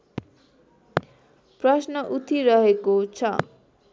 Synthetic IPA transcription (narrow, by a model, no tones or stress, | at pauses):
prʌsnʌʔut̪ʰiɾʌɦekot͡sʰʌ